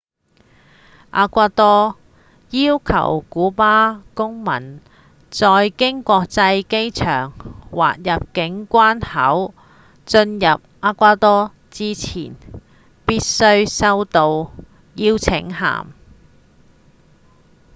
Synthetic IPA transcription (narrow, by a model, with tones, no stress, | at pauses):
ʔa̰ː˧kʷaː˧t̪ɔː˥ | jiː˥wkʰɐ̰˨˩wkuː˨˥paː˥kʊ˥ŋmɐ̰˨˩n | t͡sɔː˧jkɪ˥ŋkʷɔː˧k̚t͡sɐ˧jke˥jt͡ʃʰœ̰ː˨˩ŋwa̰ː˨t̚jɐ˨p̚kɪ˨˥ŋkʷaː˥nhɐ˨˥w | t͡sɵ˧njɐ˨p̚ʔaː˧kʷaː˧˥t̪ɔː˥ | t͡siː˥t͡sʰḭː˨˩n | piː˥t̚sɵ˧˥ɥsɐ˧wt̪o˧w | jiː˥wt͡sʰɪ˨˥ŋɦa̰ː˨˩m